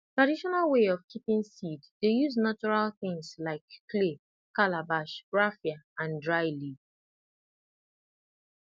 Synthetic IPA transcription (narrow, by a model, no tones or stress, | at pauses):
tɹadiʃɔnalweɔv̥kʰipĩŋsiddejuznat͡ʃɔɹalθɪ̃ŋslaɪkːle | kalabaʃɹafjaãndɹaɪli